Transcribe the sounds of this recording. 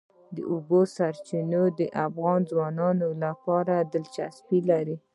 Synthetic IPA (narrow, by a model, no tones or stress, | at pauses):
d̪ə̰ʔubosaɾt͡ʃinod̪əʔafɣɑnzwɑnɑnolapɑɾad̪əlt͡ʃa̰spilaɾi